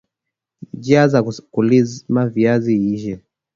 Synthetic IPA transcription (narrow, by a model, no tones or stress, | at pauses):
d͡ʒiazakulizmaviaziiʒɛ